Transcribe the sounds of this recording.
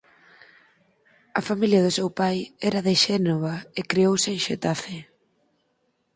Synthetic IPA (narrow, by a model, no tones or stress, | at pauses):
ɐfamiljɐðʊsewpajɛɾɐðɪʃɛnoβaekɾeowsɪːŋʃet̪afɪ